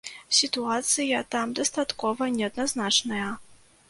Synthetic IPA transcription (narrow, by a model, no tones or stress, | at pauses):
sʲit̪uat̪sɨjɐt̪amd̪ɐst̪at̪kɔvɐnʲɛɐd̪naznat͡ʂnɐjɐ